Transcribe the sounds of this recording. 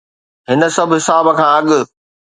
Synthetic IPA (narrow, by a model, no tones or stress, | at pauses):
ɦɪnə̆sɐbʱɦɪsaːbəkʰãːɐɠʊ̆